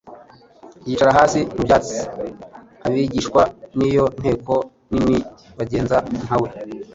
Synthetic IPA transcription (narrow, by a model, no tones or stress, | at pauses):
jiːt͡ʃaɾaɦaːsimubjaːt͡si̥ | aβiɟiːʃkwanijo̞n̥he̞ːko̞ | nimi | βaɟe̞ːnzanhawe̞